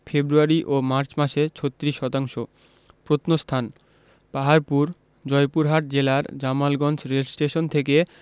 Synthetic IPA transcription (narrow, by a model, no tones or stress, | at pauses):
febɾuaɾiʔomaɾt͡ɕmaʃet͡ɕʰot̪ːɾiʃɔt̪aŋʃo | pɾot̪nost̪ʰan | paɦaɾpuɾ | d͡ʑɔepuɾɦaʈ̚d͡ʑelaɾd͡ʑamalɡɔnd͡ʑɾelsʈeʃont̪ʰek̬e